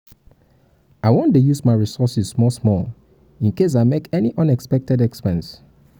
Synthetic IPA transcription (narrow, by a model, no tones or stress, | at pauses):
aɪwɔ̃ntujusmaɪɹisɔsismɔsmɔl | ĩnkes̬aɪmekɛniʔʌ̃nɛkspɛk̚tɛdɛkspɛ̃ns